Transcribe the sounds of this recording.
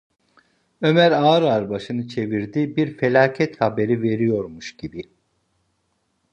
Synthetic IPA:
ø̞mæɾaːɾaɾbaʃɯnɯt͡ʃʰe̞viɾd̪ibiɾfe̞lʲaːcʰɛt̪habe̞ɾive̞ɾijo̞ɾmuʃɟibi

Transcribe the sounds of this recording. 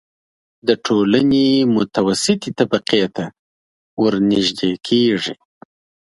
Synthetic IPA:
d̪əʈʰolanemʊt̪awasɪt̪it̪abaqiet̪a | wəɾniʒd̪ekʰeʐi

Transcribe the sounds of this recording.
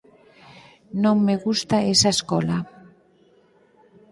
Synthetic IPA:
nõŋmeɣust̪aesaeskɔla

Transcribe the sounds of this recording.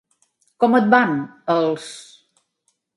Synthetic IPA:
kɔmət̪̚banəlˠs

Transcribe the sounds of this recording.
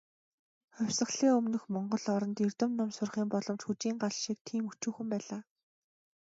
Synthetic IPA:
χɔwʲsə̆χɮeːɵmnɵ̆xmɔɴɢɞ̆ɮɔɾɞ̆nt̪irt̪ɘ̆mnʊmsʊrχiːmpɔɮɞ̆mt͡ɕxut͡ɕiːŋɢaɮʃiːk̚t̪ʰiːmut͡ɕuːxɘ̆mpæːɮaː

